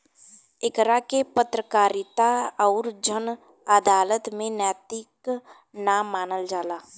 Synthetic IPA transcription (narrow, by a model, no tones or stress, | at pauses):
ɪkɾakepət̪ɾəkaːɾit̪aɔːɾd͡ʒən | əd̪aːlət̪mẽnɛːt̪ɪk | naːmːaːnəld͡ʒaːlaː